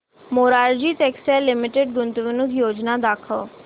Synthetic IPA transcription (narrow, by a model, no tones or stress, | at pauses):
moːɾaːɾd͡ʒiːtɛːksɛːlːɪmɪʈeɖ̚ɡʊnt̪ʋɪnʊkjoːd͡ʒnaːd̪aːkʰəː